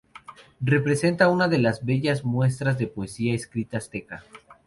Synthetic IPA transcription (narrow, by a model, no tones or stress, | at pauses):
re̞pɾe̞se̞nt̪aunaðe̞lazβe̞ʝazmwe̞s̬t̪ɾazðe̞poesiaeskɾit̪ast̪e̞ka